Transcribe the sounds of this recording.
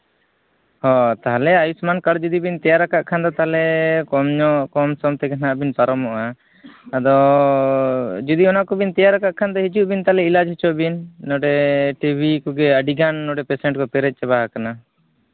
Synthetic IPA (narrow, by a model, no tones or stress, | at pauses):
hɔ̃t̪aɦalɛajusmankaɽd͡ʒud̪ibint̪ɛjaɾakaʔkʰand̪ɔt̪alɛkɔmɲɔʔkɔmsɔmt̪ɛɡanaʔbinpaɾɔmɔʔaː | d̪ɔ | d͡ʒud̪iɔnaʔkɔbint̪ɛjaɾakaʔkʰand̪ɔɦit͡ʃuʔbint̪alɛilad͡ʒɦit͡ʃɔʔbinːɔɖɛʈibʱikɔɡɛəɖiɡanːɔɖɛpɛsɛɳʈkɔpɛɾɛt̪̚t͡ʃɛβaɦakana